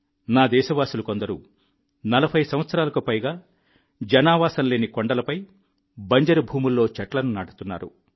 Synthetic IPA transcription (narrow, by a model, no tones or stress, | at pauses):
naːd̪ɛːʃɐʋaːsulɐko̞nd̪ɐɾu | nɐlɐpʰɐjsɐ̃mʋɐt̪sɐɾaːlɐkupɐjɡaː | d͡ʒɐnaːʋaːsɐnle̞ːnikoɳɖɐlɐpɐj | bɐɲd͡ʒɐɾubʱuːmulːo̞ːt͡ʃɐʈlɐnunaːʈu̥t̪unːa̰ːɾṵ